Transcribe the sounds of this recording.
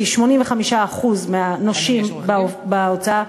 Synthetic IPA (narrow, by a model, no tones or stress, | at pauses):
iʃmo̞nimveχamiʃaːχuzmeanoʃimbbaot͡saa